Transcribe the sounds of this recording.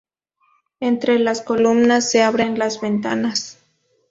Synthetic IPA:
ent̪ɾe̞lasko̞lumnasːe̞aβɾenlazβe̞nt̪anas

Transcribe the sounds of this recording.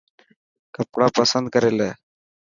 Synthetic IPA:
kəpɽapəsənd̪̚kəɾeleː

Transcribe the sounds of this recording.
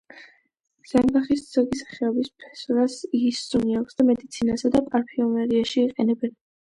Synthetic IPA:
z̥ambaχisd̪z̥ɔɡisḁχɛɔbispʰɛ̥sɾasiisːuniakʰsd̪amɛd̪it̪sʰinasad̪apʼaɾpʰiɔmɛɾiaʃiːqʼɛnɛbɛn

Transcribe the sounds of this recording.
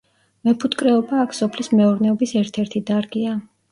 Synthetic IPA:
mɛpʰut̪kʼɾɛɔbaːkʰsɔpʰlismɛɔɾnɛɔbisɛɾt̪ʰɛɾt̪ʰid̪aɾɡia

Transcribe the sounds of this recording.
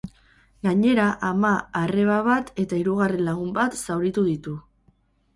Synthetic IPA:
ɡaɲe̞ɾaʔamaːre̞βaβat̪e̞t̪aiɾuɣ̞are̞nlaɣumbat̪sawɾit̪uðit̪u

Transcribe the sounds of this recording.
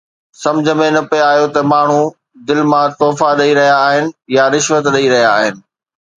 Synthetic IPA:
sɐ̃md͡ʑʱəmẽnɐpeaːijot̪ɐmaːɳ̤u | d̪ɪlmãt̪ɔːfaɗɐiɾɐɦijaːɦɪnɪ̆jaɾɪʃʋət̪ɗɐiɾɐɦijaːɦɪnɪ̆

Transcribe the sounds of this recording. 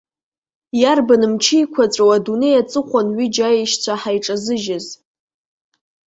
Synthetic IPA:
jarbanɨmt͡ʃʰɪjkʷʰat͡sʷʼowadune̞jat͡sʼɨχʷanɥid͡ʒajejʃt͡sʷʰaħajʈ͡ʂʼazɨʒaz

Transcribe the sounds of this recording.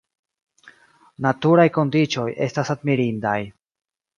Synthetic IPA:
natuɾajko̞ndit͡ʃo̞jʔe̞̰stasadmiɾindaj

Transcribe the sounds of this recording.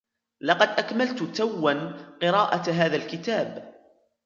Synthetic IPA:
lɑqɑd̪ʔakmalt̪ʊt̪awːanqɨɾˤɑːʔat̪ɦaːðalkɪt̪aːb

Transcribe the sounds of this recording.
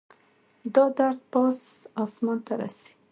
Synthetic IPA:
d̪ɑd̪aɾd̪̚pɑsɑsmɑnt̪aɾa̰si̥

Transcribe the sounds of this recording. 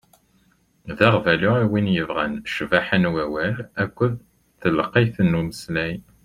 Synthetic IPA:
ðæʁvælʊæwinjəvʁæ̰nʃvæħənwæwælækʷːəð | θələqːiθənːuməslæj

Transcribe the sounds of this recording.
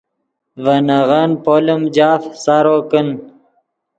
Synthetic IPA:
vənaʁanpolumd͡ʑaːfsaɾokən

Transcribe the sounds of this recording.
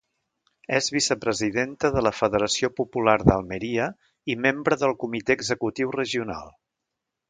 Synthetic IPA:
ɛzβisəpɾəziðent̪əðələfəðəɾəsiopupulaɾðəlˠməɾiə | imembɾəðəlˠkumit̪eəɡzəkut̪iwrəʒiuna̰lˠ

